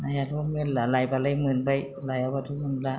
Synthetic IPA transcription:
najatumɯnlalajpalajmɯnpaj | lajawpat̪ʰumula

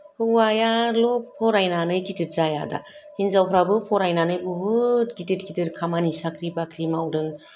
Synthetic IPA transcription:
hɯwajalɔp̚pʰɔɾajnanɯjkitɯt̚zajada̰hinzawkʰɾabɯpʰɔɾajnanɯjbɯɦɯtkitɯt̚kitɯɾkʰamanisakʰɾibakʰɾimawdɯŋ

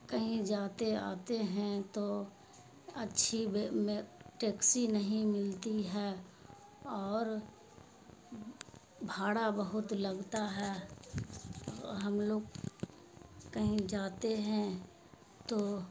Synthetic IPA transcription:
kɐɦĩd͡ʒaːt̪ea̰ːt̪eɦɛ̃t̪o | ɐtːʃʰibmʈeːksinɐɦĩmɪlt̪iɦɛː | ɔːɾ | bʱaːɽabəɦʊt̪lɐɡt̪aɦɛː | ɦɐmloːɡ | kɐɦĩd͡ʒaːt̪eɦɛ̃ | t̪oː

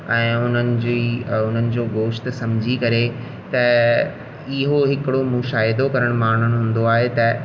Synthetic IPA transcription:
ɛ̃ːʊn̤ənɪ̆d͡ʑiʊn̤ənɪ̆d͡ʑoːɡoːʃt̪sɐ̃md͡ʑʱikɐɾe | t̪ɐ | ɪɦoɦɪkɪɽomʊ̃ʃaːɪd̪okɐɾəɽ̃maːɳ̤ənɦũːn̆d̪oaːɦet̪ɐ

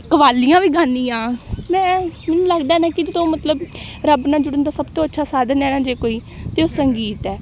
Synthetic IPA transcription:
kəʋaːlːijãːʋiːɡaːnːiːãːmɛ̃ːmɛːnːũːləɡd̪aːɛnaːkɪd͡ʒd̪õːmət̪ləbɾəbnãːd͡ʒʊɽənd̪aːsəbt̪õːətːʃʰaːsaːd̪ənɛ̃ːnãːd͡ʒeːkoːiː | t̪eːoːsəŋɡiːt̪ɛː

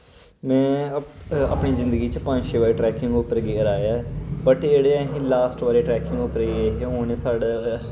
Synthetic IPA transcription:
mɛ̃ː | ə̰pɳiːzɪ̃nd̪əɡiːt͡ʃəpə̃ɲd͡ʒʃeːʋaːɾeːʈɾɛːkɪ̃ŋɡʊpəɾɡeːɾaːjaːbəʈeːɽeːəɦĩːlaːsʈʋaːɾeːʈɾɛːkɪ̃ŋɡʊpəɾɡeɦeoːneːsaːɖaː

